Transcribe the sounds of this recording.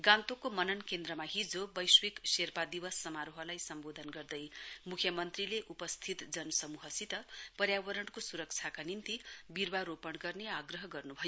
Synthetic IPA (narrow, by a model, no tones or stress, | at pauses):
ɡãnt̪okomʌnʌnkend̪rʌmaɦid͡zobʌjswikserpad̪ibʌsːʌmaɾoɦʌlajsʌmbod̪ʱʌnɡʌrd̪ʌjmukʰjʌmʌnt̪rileʔupʌst̪ʰit̪d͡zʌnsʌmuɦʌsit̪ʌpʌɾjawʌɾʌɳkosuɾʌk̚t͡sʰakanint̪ibirwaɾopʌɽɡʌrneaɡrʌɦʌɡʌrnubʱʌjo